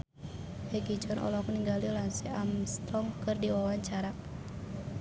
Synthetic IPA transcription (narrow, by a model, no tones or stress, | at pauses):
hɛɡid͡ʒɔnɔ̰lɔkuniŋɡalilansiamst̪ɔŋkɨrdiwawaɲt͡ʃaɾa